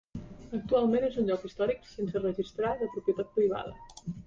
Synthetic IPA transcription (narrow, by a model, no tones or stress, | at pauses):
ək̚t̪ualˠmenezunʲʎɔkist̪ɔɾiksensərəʒist̪ɾaləpɾupjət̪at̪̚pɾiβ̞a̰ð̞ə̰